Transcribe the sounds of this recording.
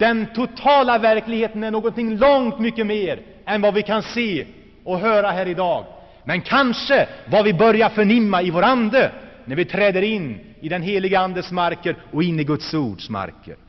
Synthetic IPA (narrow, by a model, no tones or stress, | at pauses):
d̪̥ɛnt̪ʰʊt̪ʰɑːlavæɾklɪɡheːt̪ənæɳoːɡɔnt̪ɪŋːlɔŋt̪mʏkːəmeːɾ | ɛnvavɪkʰanseː | ɔɦœːɾaɦæːɾɪd̪ɑːɡ | mɛnkʰanʂəvavɪbœɾjaɾfœɳɪmːaɪvoɾand̪ənæɾvɪt̪ʰɾɛːd̪əɾɪnː | ɪd̪ɛnɦeːlɪɡəand̪əsmaɾkəɾɔɪnːɪɡɵt̪suːɖʂma̰ɾkə̰ɾ